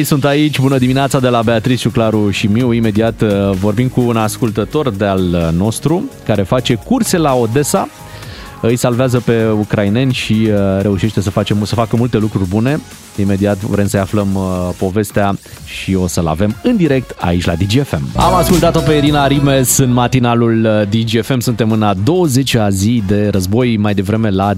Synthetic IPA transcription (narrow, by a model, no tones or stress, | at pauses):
jsunt̪ait͡ʃʲbunəd̪imineat̪sad̪e̞labe̞at̪ɾist͡ʃuklaɾuʃimiwime̞d̪iat̪vo̞rbimkuːnaskult̪ət̪o̞rd̪ealno̞st̪ɾukaɾe̞fat͡ʃe̞kurse̞lao̞d̪e̞sa | ɨjsalveazəpe̞ukɾaine̞nʲʃiɾe̞uʃe̞ʃt̪e̞səfat͡ʃe̞msəfakəmult̪e̞lukɾurʲbune̞ | ime̞d̪iat̪vɾe̞msəjafləmpo̞ve̞st̪ea | ʃio̞səla̰ve̞mɨnd̪iɾe̞k̚t̪a̰it͡ʃʲla̰d̪id͡ʒiefe̞ma̰maskult̪at̪o̞peiɾinaɾime̞sɨnmat̪inaluld̪id͡ʒiefe̞msunt̪e̞mɨnad̪o̞wəze̞t͡ʃazid̪e̞ɾəzbo̞jmajd̪e̞vɾe̞me̞la